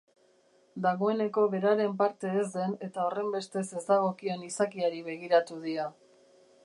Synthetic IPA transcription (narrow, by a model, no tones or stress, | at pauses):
d̪aɣo̞e̞ne̞ko̞βe̞ɾaɾe̞mpaɾt̪e̞ːzd̪e̞ne̞t̪ao̞re̞mbe̞st̪e̞se̞zd̪aɣ̞o̞kie̞nisakiaɾiβe̞ɣ̞iɾat̪uðia